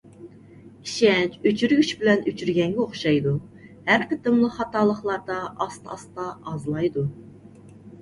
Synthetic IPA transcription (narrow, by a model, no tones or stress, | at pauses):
iʃɛt͡ʃyt͡ʃʰyɾɡʲyʃbɪlɛnyt͡ʃʰyɾɡʲɛŋɡʲɛoχʃɑjd̪uhæɾqət̪ɨmlˠəχɑt̪ɑlˠəχlˠɑɾd̪ɑʔɑst̪ɑɑst̪ɑːzlˠɑjd̪u